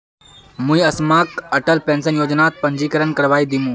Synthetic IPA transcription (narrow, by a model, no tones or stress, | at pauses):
mũĩɐsmaːkɐʈəlpẽːnsənjoːd͡ʒnaːt̪̚pɐ̃ɲd͡ʑiːkəɾənkɐɾʋaːid̪imũː